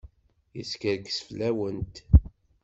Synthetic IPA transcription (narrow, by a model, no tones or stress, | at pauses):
jə̰skəɾkə̥sflæwənt̪